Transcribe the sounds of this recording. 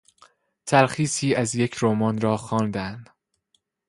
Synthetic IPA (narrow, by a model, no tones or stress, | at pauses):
t̪ʰælxiːsiːʔæzje̞cʰɾomɒːnɾɒːxɒːnd̪ænd̪̥